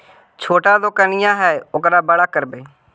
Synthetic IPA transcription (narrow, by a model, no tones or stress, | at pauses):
t͡ʃʰoːʈaːd̪oːkənɪjãːɦɛːʊkɾaːbəɽaːkəɾbeː